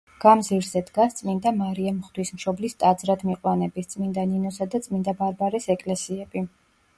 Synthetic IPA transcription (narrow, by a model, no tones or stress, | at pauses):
ɡ̥amziɾzɛd̪ɡast̪sʼmind̪amaɾiɛmχd̪wismʃɔblist̪ʼad̪zɾad̪miqʼwanɛbist̪sʼmind̪aninɔsad̪at̪sʼmind̪abaɾbaɾɛsɛkʼlɛsiɛb̥i